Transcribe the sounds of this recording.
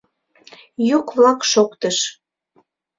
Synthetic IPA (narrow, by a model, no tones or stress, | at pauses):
jukβlɑkʃokt̪əʃ